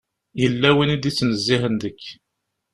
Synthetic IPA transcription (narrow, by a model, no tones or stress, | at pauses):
jəlːæwinid̪it͡sːnəzːiɦənd̪əkː